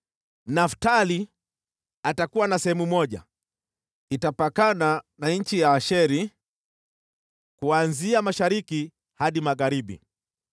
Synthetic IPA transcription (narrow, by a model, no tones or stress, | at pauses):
naftali | atakuwanasɛhɛmumɔʄa̰ | itapakananaɲ̩t͡ʃijaːʃɛɾi | kuanziamaʃaɾiki | haɗimaɣaɾiɓḭ